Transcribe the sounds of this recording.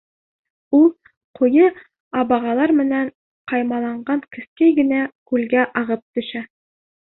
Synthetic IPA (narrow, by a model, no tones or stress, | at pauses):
ulˠ | qʰujɤ | ɑbɑʁɑlˠɑɾmɘ̆næɴ | qɑjmɑlˠɑɴɢɑŋkɘ̆skæjɡɘ̆nækʉlɡæʔɑʁɤp̚t̪ɵ̆ʃæ